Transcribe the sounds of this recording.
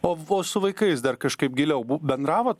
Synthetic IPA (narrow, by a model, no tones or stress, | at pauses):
oːoːsʊʋɐɪkɐɪs̬d̪ɐrkɐʃkɐɪp̚ɡʲɪlʲɛʊbubʲɛnd̪ɾɑːʋoːt̪